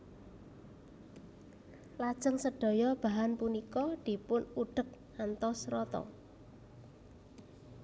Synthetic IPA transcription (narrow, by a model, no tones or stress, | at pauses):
lad̥ʒ̥əŋsəɖ̥o̤jɔb̥a̤ɦanpunikɔd̪̥i̤pʊnuɖ̥ək̚hant̪ɔsrɔt̪ɔ̰